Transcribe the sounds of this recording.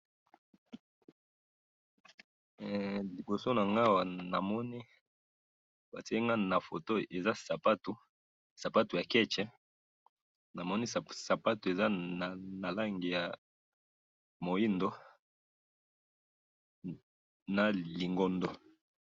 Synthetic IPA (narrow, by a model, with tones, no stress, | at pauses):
li˨bo˨so˦na˨ŋɡa˦˨wa˨na˨mɔ˦ni˦ | ba˨tɛ˦ŋɡa˦na˨fo˨to˦e˨za˦sa˨pa˦tu˨ | sa˨pa˦tu˨ja˨kɛ˦t͡ʃɛ˦ | na˨mɔ˦ni˦˨sa˨pa˦tu˨e˨za˦a˨na˨la˦ŋɡi˨ja˨ | mo˨i˦ndo˦ | na˨li˨ŋɡo˦ndo˦